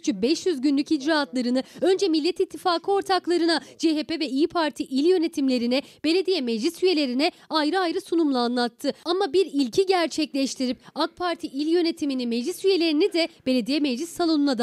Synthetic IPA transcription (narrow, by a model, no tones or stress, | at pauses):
y̥t͡ʃʰyk̚bɛʃjyzɟynlʲycid͡ʒɾaːt̪lˠaɾɯnɯø̞nd͡ʒɛmilʲːɛt̪it̪ʰːifaːkʰɯo̞ɾt̪ʰaklˠaɾɯnad͡ʒeɦepevɛiːpʰaɾt̪ʰiʔilʲjø̞ne̞t̪ʰimlʲe̞ɾinɛb̥e̞ne̞d̪ijɛmɛd͡ʒlʲisyje̞lʲe̞ɾinɛ | ajɾɯajɾɯsunumlˠaːnlˠat̪ʰːɯamabiɾilʲcʰiɟæɾt͡ʃʰɛclʲɛʃt̪ʰiɾip̚ak̚pʰaɾt̪ʰiʔilʲjø̞ne̞t̪ʰiminimɛd͡ʒlʲisyje̞lʲe̞ɾinid̪ɛb̥e̞lʲe̞d̪ijɛmɛd͡ʒlʲisːalˠo̞nunad̪